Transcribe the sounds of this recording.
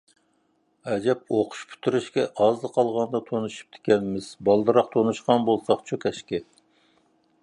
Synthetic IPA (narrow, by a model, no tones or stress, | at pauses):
ɛd͡ʒɛp̚oqʰʊ̥ʃpʰy̥t̪ʰyɾyʃkʲɛʔɑzd̪ɨqʰɑlˠʁɑnd̪ɑt̪ʰonuʃu̥p̚t̪ʰe̥kʲɛnmɪz̥bɑlˠd̪ɨɾɑq̚t̪ʰonuʃqɑnbolˠsɑχt͡ʃʰukʲʰɛʃkʲɪ